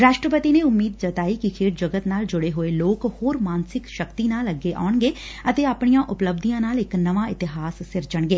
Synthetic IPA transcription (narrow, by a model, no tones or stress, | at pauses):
ɾaːʃʈɾəpət̪iːneːʊmːiːd̪̚d͡ʒət̪aːiːkɪkʰeːʈ̚d͡ʒəɡət̪naːld͡ʒʊɽeːɦoːeːloːkhoːɾmaːnsɪkʃəkt̪iːnaːləɡːeːʔa̰ːʊɳɡeː | ət̪eːaːpɳijãːʔʊpləb̚d̪ijãːnaːlɪknəʋãːɪt̪ɪɦaːsːɪɾd͡ʒəɳɡeː